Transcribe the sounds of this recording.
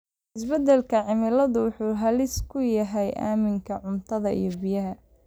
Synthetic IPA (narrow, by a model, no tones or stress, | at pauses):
ɪsbɐd̪ɛlkʰɐʕɪmɪlɐðʊwʊħuːɦɐlɪskʰʊjɐɦɛjʔa̰ːmɪŋkʰɐʕʊmt̪ʰɐðɐḭjɞbijɐɦɐ